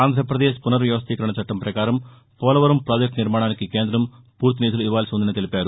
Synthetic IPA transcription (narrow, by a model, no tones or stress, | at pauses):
aːnd̪ʱɾɐpɾɐd̪eːʃpunɐɾʋjɐʋɐst̪ʰiːkɐɾɐɳɐt͡ʃɐʈːɐmpɾɐkaːɾɐm | poːlɐʋɐɾɐmpɾaːd͡ʒek̚ʈniɾmaːɳaːnikːikeːnd̪ɾɐm | puːɾt̪̬iniːd̪uluiʋaːlisond̪inɐt̪elipaːɾu